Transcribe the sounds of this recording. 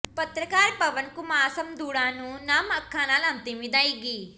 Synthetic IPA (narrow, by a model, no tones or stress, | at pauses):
pɐt̪ɾɐkaːɾpɐʋɐnkumaːsɐmd̪uːɽaːnunaːmɐkʰːaːnaːlɐnt̪imid̪aːjɡi